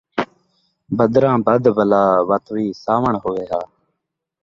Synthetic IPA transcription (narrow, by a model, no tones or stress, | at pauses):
bəd̪ɾãːbəd̪bəlaːʋət̪ʋiːsaːʋəɳɦoːʋeːɦaː